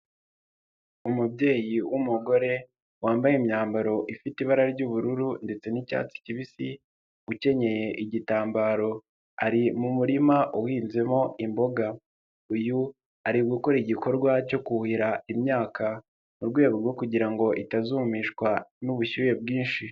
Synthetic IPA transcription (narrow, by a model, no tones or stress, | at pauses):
umubɟe̞ːjiwumuɡo̞ɾe̞ | waːmbajemɲaːmbaɾo̞ʔifitiβaɾaɾɟuβuɾuɾunde̞t͡se̞nica̰ːt͡si̥ciβisi | uce̞ɲe̞je̞ʔiɟitaːmbaːɾo̞ | aɾimumuɾimaʔuwiːnze̞mo̞imbo̞ɡa | uju | aɾiɡukoɾiiɟiko̞ɾɡwaco̞kuhiɾaimɲaːkʰa | muɾɡwe̞ːβuɾɡo̞kuɟiɾaŋɡo̞ʔitazumiːʃkwanuβuçuːje̞b̚ɡiːnʃi